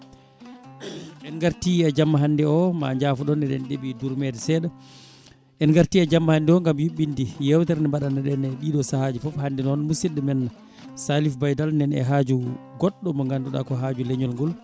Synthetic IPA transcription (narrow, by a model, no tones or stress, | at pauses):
ʔɛnŋɡaɾtiad͡ʒamːaɦandɛɔma̰ɲd͡ʒaːfuɗɔnɛɗɛ̰nɗeɓiduɾmɛdɛsɛːɗa | ʔɛnŋɡaɾtiad͡ʒamːahandɛɔŋɡamjuɓːindijɛwtɛɾnɛmbaɗanɛɗɛnɛɗiːɗɔsahad͡ʒifɔphandɛnɔnmusidɛmɛn | salifbajdalnɛnɛ̰ɦad͡ʒuɡɔɗːɔmɔŋɡanduɗa̰kɔɦaːd͡ʒuleɲɔlŋɡɔl